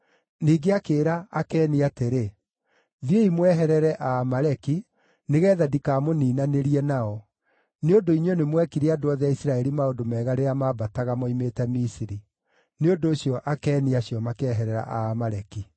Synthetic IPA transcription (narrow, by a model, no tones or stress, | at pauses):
niːɡeakeːɾaakɛːniateɾe | ðjeimwɛɦɛɾɛɾɛʔaːmaɾɛki | neɣɛːðadikaːmoniːnaneɾiɛnaɔ | neondoiɲɔnemwɛkiɾeadoɔðɛaisiɾaɛɾimaodomɛːɣaɾeamabataɣamɔimetɛmisiɾi | neondoːɕijɔʔakɛːniaɕjɔmakɛːɦɛɾɛɾa̰ʔamaɾɛki